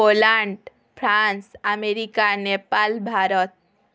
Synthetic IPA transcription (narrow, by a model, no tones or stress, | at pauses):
olaɳɖ | pʰɾansameɾikanepalbʱaɾɔt̪̚